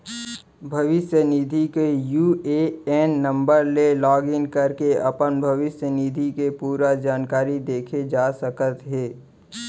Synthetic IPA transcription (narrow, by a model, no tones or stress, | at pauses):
bʱɐʋɪsjənid̪ʱikejuːeɛːnːə̃mbəɾlelɔːɡɪ̃ŋɡkɐɾkeʔɐpənbʱɐʋɪsjənid̪ʱikepuːɾad͡ʒaːnkaːɾid̪eːkʰed͡ʒaːsəkət̪ɦeː